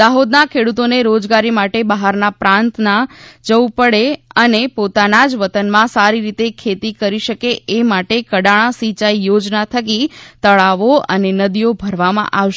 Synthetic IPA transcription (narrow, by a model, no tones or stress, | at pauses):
d̪aɦod̪nakʰeɽut̪oneɾod͡ʒɡaɾimaʈebəɦaɾnapɾãnt̪nad͡ʒəupəɽeənepot̪anad͡ʒʋət̪ənmãsaɾiɾit̪ekʰet̪ikəɾiʃəkeemaʈekəɽaɭ̃ãsit͡ʃaijod͡ʒnat̪ʰəkit̪əɭaʋoənenəd̪ijobʱəɾʋamã̰ʔaʋʃ